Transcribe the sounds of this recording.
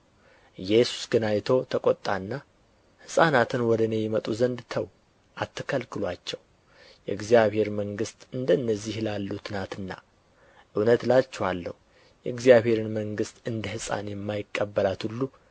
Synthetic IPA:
jɛsu̥sɡɨnajt̪ʰo̞t̪ʰəkʼot̪ʼːanːa | hɨsʼanat̪ʰɨnwɔd̪əne̞jɛmət̪ʼuzənd̪t̪ʰəw | ʔat̪ʰːə̥kʰəlkʰɨlwat͡ʃːɛw | jɛ̰ɨɡzijaβhe̞ɾməŋɡɨst̪ʼɨnd̪ənːəzːihlalːut̪ʰɨnat̪ɨnːa̰ | ʔɨwnət̪lalt͡ʃːɛwalːə̰hu | jɛɨɡzijaβhe̞ɾɨnməŋɡɨst̪ʼɨnd̪əhɨsʼa̰njɛmːajɪkʼːəbːəlat̪hulːu

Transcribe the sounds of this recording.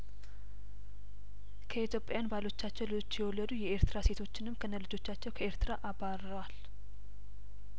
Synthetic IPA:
kʰəit̪jo̞pʼːejanbalo̞t͡ʃːat͡ʃːɛwlɨot͡ʃːjɛwɔlːəd̪ujɛeɾt̪ɨɾase̞t̪ʰo̞t͡ʃːɪnɨmkʰənːəlɨd͡ʒo̞t͡ʃːat͡ʃːɛwkʰəe̞ɾt̪ɨɾaʔaβaɾəwal

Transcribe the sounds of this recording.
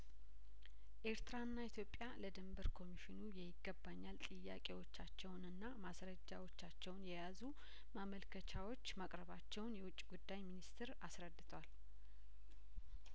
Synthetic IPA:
ʔe̞ɾt̪ʰɾanːait̪ʰjo̞pʼjaləd̪ɨmbəɾkʰo̞miʃɪnujɛjɪɡːəbːaɲːalt̪ʼɨjːakʼewo̞t͡ʃːat͡ʃːɛwnɨnːamasɾəd͡ʒːawo̞t͡ʃːat͡ʃːɛwnjɛjazu | maməlkʰət͡ʃʰawo̞t͡ʃːmakʼɾəβat͡ʃːɛwnjɛwʊt͡ʃʼːiɡud̪ːajminist̪ɪɾasɾəd̪ːɨt̪ʰəwal

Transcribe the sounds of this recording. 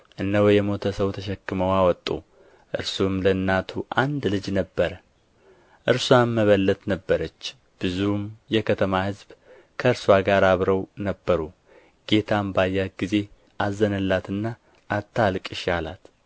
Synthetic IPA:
ʔɨnːəwjɛmo̞t̪ʰəsəwt̪ʰəʃɛkːɨməwawɔt̪ʼːṵ | ʔɨɾsumlənːat̪ʰuʔand̪lɨd͡ʒnəbːəɾə | ʔɨɾswamːəβəlːət̪nəbːəɾət͡ʃː | b̥ɨzumjɛkʰət̪ʰəmahɨzb | kʰəɨɾswaɡaɾaβɾəwnəbːəɾu | ɡ̥e̞t̪ʰambajːat̪̚ɡize̞ | ʔazːənəlːat̪ɨnːa | ʔːt̪ʰːalkʼɪʃala̰t̪

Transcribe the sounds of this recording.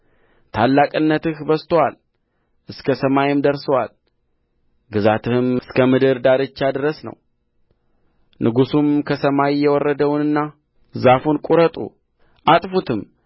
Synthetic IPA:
t̪ʰalːakʼɨnːət̪ɨhbəst̪ʰwal | ʔɨskʰəsəmajɪmd̪əɾsəwa̰l | ɡɨzat̪ʰɨhɨmɨskʰəmɨd̪ɨɾd̪aɾɨt͡ʃːad̪ɨɾəsnə̰w | nʔɨɡusumkʰəsəmajjɛwɔrːəd̪əwnɨnːa | zafunkʼuɾət̪ʼṵ | ʔat̪ʼfut̪ʰɨm

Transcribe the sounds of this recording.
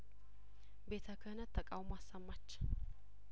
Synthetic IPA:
be̞t̪ʰəkʰəhɨnət̪ʰːəkʼawmoasːəmːat͡ʃː

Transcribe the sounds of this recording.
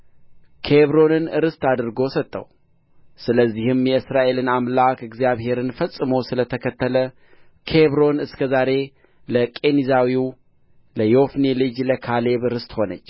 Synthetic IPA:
kʰe̞βɾo̞nɨnɨɾɨst̪ad̪ɨɾɡo̞sət̪ʼːə̰w | sɨləzːihɨmjɛɨsɾaʔe̞lɨnamlakɨɡzijaβhe̞ɾɨnfəsʼːɨmowsɨlət̪ʰəkʰət̪ːələ | kʰe̞βɾo̞nɨskʰəzaɾe̞ | ləkʼe̞nizawiw | ləjo̞fnelɨd͡ʒləkʰale̞βɨɾɨst̪ho̞nət͡ʃː

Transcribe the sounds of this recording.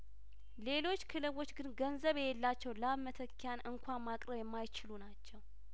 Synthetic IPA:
le̞lo̞t͡ʃːkʰɨlɨβo̞t͡ʃːɡɨnɡənzəβjɛlːat͡ʃːɛwlaβmət̪ʰəkʰːjanʔɨŋkʷʰammakʼɾəβjɛmːajɪt͡ʃɪlunat͡ʃːɛw

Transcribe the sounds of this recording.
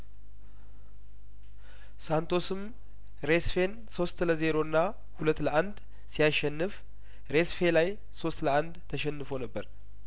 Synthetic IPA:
sant̪ʰo̞sɨm | ɾe̞sfe̞n | so̞st̪ləze̞ɾo̞ɨnːa | hulət̪ːləʔand̪ | sijaʃːɛnːɨf | ɾe̞sfe̞laj | so̞st̪ləand̪t̪ʰːəʃɛnːɨfonəbːəɾ

